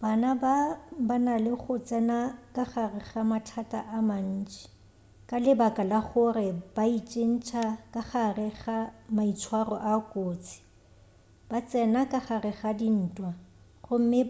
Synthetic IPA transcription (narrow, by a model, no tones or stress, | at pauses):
b̥anababanalɪχʊt͡sʼɛnakʼaχarɪɣamatʰatʼaʔaman̩ːt͡ʃʼɛ̥ | kʼalɪbakʼalaχʊrɪb̥ait͡ʃʼen̩t͡ʃʰakʼaχarɪɣamait͡sʰwarɔʔakʼoːt͡sʰi̥ | b̥at͡sʼɛnakʼaχarɪɣadin̩ːtʼwa | χʊm̩mɪ